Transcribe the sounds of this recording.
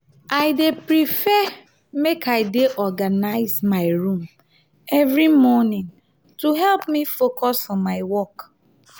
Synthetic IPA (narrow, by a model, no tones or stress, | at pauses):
aɪdepɾifɛ | mekaɪdeʔɔɡanaɪzmaɪɾũm | ɛvɾimɔnɪ̃ŋ | tuɦɛlpmifokʰɔsfɔ̃mmːaɪwɔk